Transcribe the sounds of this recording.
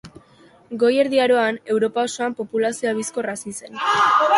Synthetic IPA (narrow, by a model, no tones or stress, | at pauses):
ɡo̞je̞ɾðiaɾo̞ane̞wɾo̞pao̞so̞ampo̞pulasioaβisko̞rasise̞n